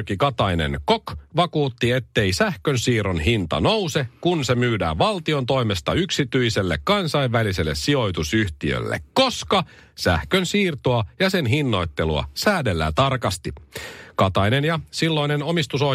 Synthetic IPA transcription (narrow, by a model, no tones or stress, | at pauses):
rkikɑt̪ɑjnḛnkokʋɑkuːt̪ːie̞t̪ːe̞isæhkønsiːɾo̞nɦint̪ɑ̰nowse̞kunse̞myːdæ̰ːʋɑlt̪io̞nt̪o̞jmest̪ɑyksit̪yjse̞lːḛkkɑnsɑjʋːælise̞lːessio̞jt̪usyht̪iø̰lːḛkko̞skɑ | sæ̰hkønsiːrt̪oɑjɑse̞nɦinːo̞jt̪ːe̞luɑ̰sæːdelːæ̰ːt̪ɑrkɑst̪ikɑt̪ɑjnenjɑsilːo̞ineno̞mist̪uso